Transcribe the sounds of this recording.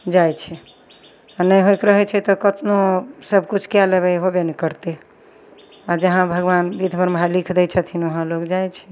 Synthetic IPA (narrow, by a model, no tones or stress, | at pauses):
d͡ʒajt͡ʃʰɛ | anəjɦojkɾəɦɛt͡ʃʰɛt̪ɔkət̪nosəbʱkut͡ʃʰkijalebɛjɦobenɛkəɾt̪e | ad͡ʒəɦãbʱəɡʋanbid̪ʱbʱəɾmɦalikʰd̪ɛt͡ʃʰət̪ʰinəɦãlokd͡ʒajt͡ʃʰɛ̥